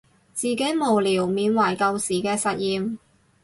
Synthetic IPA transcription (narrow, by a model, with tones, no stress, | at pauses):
t͡siː˨ke˨˥jmo˨˩wliː˨˩wmiː˨˧nwɐ˨˩jkɐ˧wsiː˨˩kɛː˧sɐ˨t̚jiː˨m